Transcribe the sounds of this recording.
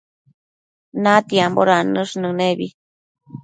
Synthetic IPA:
nat̪iamboɾanɨʂnɨneβi

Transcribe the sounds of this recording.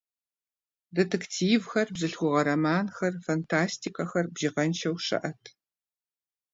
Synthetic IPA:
detʰektʰiːvxɐrbzɨɬxʷʊʁɐɾɐmaːnxɐrfɐntʰaːstʰikʰɐxɐrbʒɪʁɐnt͡ʃʰɐwʂɐ̰ʔɐtʰ

